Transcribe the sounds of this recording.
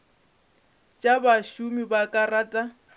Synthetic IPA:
t͡ʃʼabaʃumibakʼaraːtʼa

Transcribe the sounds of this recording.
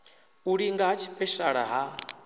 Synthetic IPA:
uɺiŋɡaɦat͡ʃʰi̥pʼɛʃaɺa̰ɦa

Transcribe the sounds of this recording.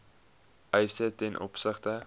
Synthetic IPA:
ʔɛjsətɛnʔɔ̰psəχtə

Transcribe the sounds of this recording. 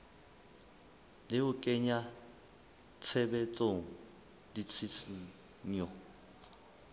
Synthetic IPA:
lɪʊkʼɛɲa | t͡sʰɛbɛt͡sʼoŋ̩ | dit͡sʰisi | ɲɔ

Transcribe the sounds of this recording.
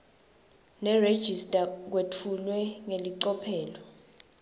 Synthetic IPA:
nɛred̥ʒ̥ʱistʼak̬wetʰulwɛŋeliǀɔpʰɛːlɔ

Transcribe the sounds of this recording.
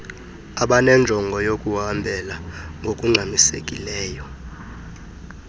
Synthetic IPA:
aɓanɛnd͡ʒʱɔŋɡʱɔjokʼuɦambʱɛlaŋɡʱokʼuŋ͡ǀʱamisekʼilɛːjɔ

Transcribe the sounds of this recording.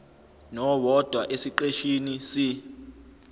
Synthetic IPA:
nɔwɔd̥ʱwaʔesiǃeʃinisi

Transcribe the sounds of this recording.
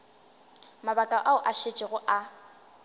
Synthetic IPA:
mabakʼaʔaʊʔaʃet͡ʃʼɪɣʊʔa

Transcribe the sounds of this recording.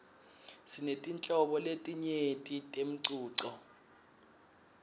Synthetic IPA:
sinetʼint͡ɬʼɔɓɔletʼiɲetʼitʼem̩ǀuːǀɔ

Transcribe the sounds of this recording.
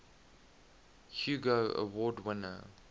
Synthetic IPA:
hjuːɡoə̰wɔdwɪnə̰

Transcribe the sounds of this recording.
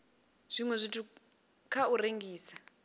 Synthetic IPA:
z̥ʷiŋwɛzʷitʰu | kʰaureŋɡiːsa

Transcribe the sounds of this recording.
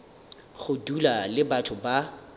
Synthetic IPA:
χʊdulalɪbatʰʊba

